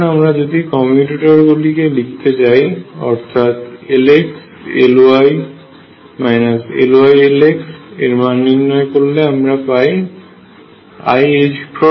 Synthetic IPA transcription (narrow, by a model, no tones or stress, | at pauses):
amɾad͡ʑod̪ikɔmuʈiʈaɾɡulikelikʰt̪et͡ɕajɔ̰ɾt̪ʰat̪eleks | ḛloaj | majnasḛloajeleksḛɾmanːinːɔekoɾːeamɾapaj | a̰jed͡ʑpɾɔ